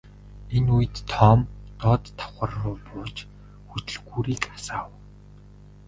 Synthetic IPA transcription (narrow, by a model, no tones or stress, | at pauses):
enuj̆t̪ʰːɔːmt̪ɔːt̪ʰːḁχə̆rːʊːpʊːt͡ɕ | xut̪ɵ̆ɮɣuːɾiːkḁsaːw